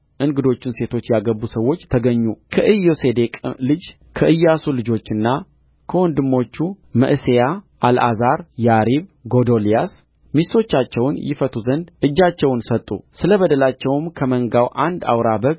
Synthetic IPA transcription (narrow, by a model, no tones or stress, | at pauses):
ʔɨŋɡɨd̪o̞t͡ʃːɪnse̞t̪ʰo̞t͡ʃːjaɡəbːusəwːo̞t͡ʃːt̪ʰəɡəɲːukʰəʔɨjose̞d̪e̞kʼlɨd͡ʒ | kʰəʔɨjːasulɨd͡ʒo̞t͡ʃːɨnːa | kʰəwɔnd̪ɨmːo̞t͡ʃːu | mə̰ʔsejaʔalazaɾjaɾiβɡo̞d̪o̞lijas | mist̪o̞t͡ʃːat͡ʃːɛwnjɪ̰fət̪ʰuzənd̪ʔɨd͡ʒːat͡ʃːɛwnsət̪ʼːṵsɨləβəd̪əlat͡ʃːɛwmkʰəməŋɡawʔand̪a̰wɾabəɡ